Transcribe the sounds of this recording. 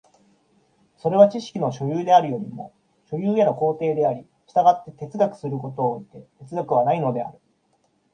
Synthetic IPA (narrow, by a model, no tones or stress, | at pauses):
so̞ɾe̞β̞at͡ɕiɕi̥kʲino̞ɕo̞jɯːd̪e̞aɾɯ̟jo̞ɾʲimo̞̰ | ɕo̞jɯːenoko̞ːt̪e̞ːd̪e̞aɾʲi | ɕi̥t̪aɡat̪ːe̞t̪e̞t͡sɨɡakɯ̟̥sɨɾɯ̟ko̞t̪o̞ːit̪e̞t̪e̞t͡sɨɡakɯ̟β̞anaino̞d̪e̞a̰ɾɯ̟